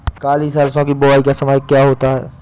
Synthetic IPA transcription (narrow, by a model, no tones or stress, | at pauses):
kaːliːsaːlsõkibʊʋaːikasɐməjkjaːɦoːt̪aɦɛ̰ː